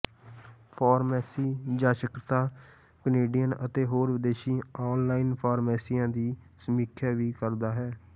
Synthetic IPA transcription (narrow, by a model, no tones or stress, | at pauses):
pʰaːɾmɛːsiːd͡ʒãːʃəkɾət̪aː | kəneːɖijənət̪eːɦoːɾʋɪd̪eːʃiːaːnlaːiːnpʰaːɾmɛːsiːãːd̪iːsəmiːkʰaːʋiːkəɾd̪aːɦɛː